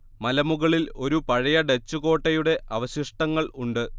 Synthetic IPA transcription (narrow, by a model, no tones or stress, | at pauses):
mɐlɐmuɣɐɭilo̞ɾupɐɻɐjɐɖet͡ɕːuɣo̞ːʈːɐjuɽe̞ʔɐʋɐɕiʂʈɐŋːɐɭuɳɖɨ